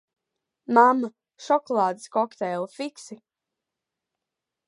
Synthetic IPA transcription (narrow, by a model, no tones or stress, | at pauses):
mamːa | ʃɔkɔlˠaːd̪iskɔkt̪ɛːlˠfiksi